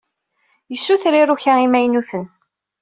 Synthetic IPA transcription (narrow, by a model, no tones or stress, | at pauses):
jəsːuθɾiɾuçæimæjnuθən